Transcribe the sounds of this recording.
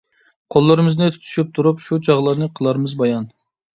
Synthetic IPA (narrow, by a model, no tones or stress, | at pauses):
qʰolˠːɨɾɨmɨznɨt̪ʰt̪ʰy̥ʃyp̚t̪ʰuɾupʃud͡ʒʰɑʁlˠɑɾnɨqʰəlˠɑɾɨmɨzbɑjɑn